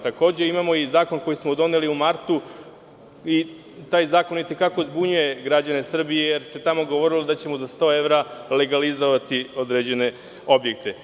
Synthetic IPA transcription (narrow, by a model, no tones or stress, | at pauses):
t̪ako̞ːd͡ʑe̞imamo̞izaːko̞nko̞jismo̞d̪o̞ne̞liumaɾt̪u | i | t̪aːjzaːko̞nit̪e̞kako̞zbuɲuje̞ɡɾad͡ʑane̞sr̩bijejeɾse̞t̪amo̞ɡo̞ʋo̞ɾilod̪at͡ɕe̞mo̞zast̪o̞ːe̞ʋɾale̞ɡalizo̞ʋat̪io̞d̪ɾeːd͡ʑe̞ne̞ | o̞bje̞k̚t̪e̞